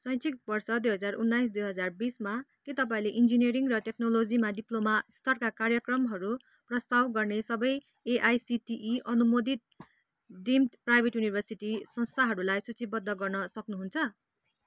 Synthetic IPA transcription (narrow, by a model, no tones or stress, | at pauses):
sʌj̃t͡sʰik̚bʌrsʌd̪ujɦʌd͡zarunːajsd̪ujɦʌd͡zarbismakit̪ʌp̬aĩleʔind͡zinieɾiŋrʌʈeknolod͡zimaɖiplomast̪ʌrkakarjʌkrʌmɦʌɾu | prʌst̪awɡʌrnesʌbʌj | eʔajsiʈiʔiʔʌnumod̪it̪̚ | ɖimʈprajbʱeʈjunibʱʌrsiʈisʌnst̪ʰaɦʌɾulajsut͡sibʌd̪ʱːʌɡʌrnʌsʌknuɦunt͡sʰʌ